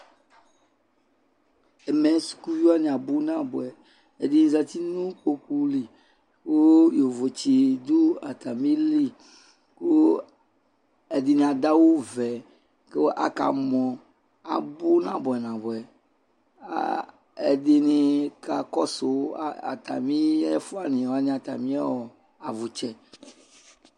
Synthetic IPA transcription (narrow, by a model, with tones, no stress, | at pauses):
ɛ˨mɛ̃˨su̥˨ku˦vi˦a˦nẽ˨a˨bu˦nã˦bɔ˨ɛ˨ | e˨dĩ˨za˨t̪i˦nũ˦ko˦ku˦li˨ | ko˦jo˨vo˨t͡ɕi˨d̪u˦a̰˨t̪a˨mĩ˦li˦ | ko˦ | e˨di˨n˨a˨da˦wo˦vɛ˨ | ke˦wo˦ʔa̰˦ka̰˨mɔ̃˨ | a̰˨bu˦nã˨bɔ˨ɛ˨nã˨bɔ˨ɛ˨ | a̰˨ | ḛ˨de˨ne˨ka˨kɔ˦so˨˦˨a̰˨t̪a̰˨mĩ˦ɛ˦fu˦a˦˨nẽ˨a˦ɲĩ˦a˨t̪a̰˨mĩ˦a̰˦wɔ˨ | a˨vo˨t͡ʃɛ˦